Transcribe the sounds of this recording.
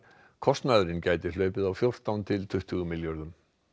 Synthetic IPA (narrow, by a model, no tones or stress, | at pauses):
kʰɔst̪naðɾɪncaːjt̪ɪl̥œːɥpɪðawfjowr̥t̪awnt̪ʰɪlt̪ʰʏht̪ʰʏɣʏmɪljɔɾðʏm